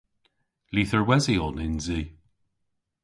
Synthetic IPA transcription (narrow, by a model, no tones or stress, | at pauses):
liːθəɹwɛziɔnɪnziː